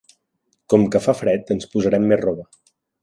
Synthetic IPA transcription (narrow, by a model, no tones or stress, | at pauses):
kɔmkəfafɾɛt̪ənspuzəɾɛmːerrɔβə